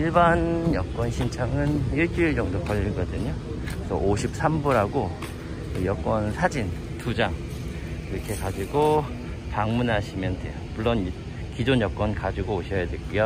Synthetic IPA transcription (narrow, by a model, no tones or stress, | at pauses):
iɭbanjʌk͈wʌnɕʰint͡ɕʰaŋɯnjiɭt͡ɕ͈uiɭd͡ʑʌŋdokʌʎːiɭɡʌdɯɲo | kesʰʌ̰ʔoɕʰip̚s͈ʰambuɾɦaɡo | kɯjʌk͈wʌnsʰad͡ʑin | tud͡ʑaŋ | iɾʌkʰe̞kad͡ʑiɡo | paŋmunɦaɕʰimjʌndwe̞̰jomuɭːʌn | kid͡ʑonjʌk͈wʌnkad͡ʑiɡoːɕʰʌjadwe̞kujo